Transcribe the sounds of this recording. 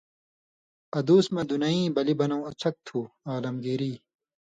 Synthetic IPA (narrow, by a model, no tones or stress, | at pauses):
ɐd̪uːsmɐd̪unɐĩːbɐlibɐnɐw̃ɐt͡sʰɐk̚t̪ʰuːaːlɐmɡeːɾiː